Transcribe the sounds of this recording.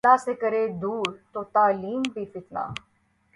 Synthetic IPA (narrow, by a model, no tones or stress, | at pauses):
aːseːkəɾeːd̪uːɾt̪oːt̪aːliːmbʱiːfɪt̪na̰ː